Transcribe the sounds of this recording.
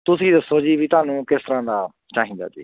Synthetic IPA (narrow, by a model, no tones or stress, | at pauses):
t̪ʊsĩːd̪əsːoːd͡ʒiːʋiːt̪ʊaːnũːkɪst̪əɾãːd̪aː | t͡ʃaːɦĩːnd̪a̰ːd͡ʒḭː